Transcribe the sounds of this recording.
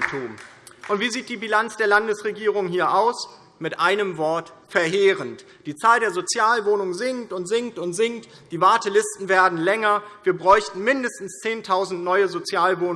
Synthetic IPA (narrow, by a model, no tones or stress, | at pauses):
tʰuːm | ʔʊntv̥iːziːt̚d̥iːbilant͡sd̥eːɐlandəsʁeɡiːʁ̞ʊŋhiːɐʔaʊs | mɪtʔaɪnəmvɔɐtfɛɐɦeːʁənt | d̥iːt͡saːldeːɐzot͡sjaːlvoːnʊŋzɪŋktʊntz̥ɪŋktʊntz̥ɪŋkt | d̥iːvaɐtəlɪstn̩veːɐdn̩lɛŋɐviːɐbʁɔʏçtn̩mɪndəstn̩st͡seːntʰaʊzn̩tnɔʏəzot͡sjaːlvoːn